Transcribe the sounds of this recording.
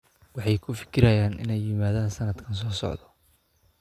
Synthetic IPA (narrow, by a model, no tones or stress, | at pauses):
wɑħɑjkʰʊfɪ̥kʰɪɾɐjaːnʔɪ̰nɛjːɪmaːðaːnsɐnɐd̪kʰɐns̬ɔːsɔ̰ʕd̪ɔ̥